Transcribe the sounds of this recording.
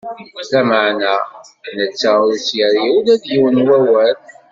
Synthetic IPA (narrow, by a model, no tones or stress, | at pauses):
læməʕnænət͡sːaʊɾsjəɾiulæðjiwənwæwæl